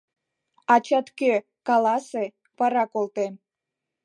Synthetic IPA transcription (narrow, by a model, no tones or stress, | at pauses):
ɑt͡ɕɑt̪ke | kɑlɑse | pɑɾɑkolt̪en